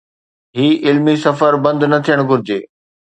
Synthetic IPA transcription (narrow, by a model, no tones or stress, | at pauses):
ɦiːʔɪlmisɐfəɾbɐ̃nd̪nɐt̪ʰijəɽ̃ɡʱʊɾɪd͡ʑeː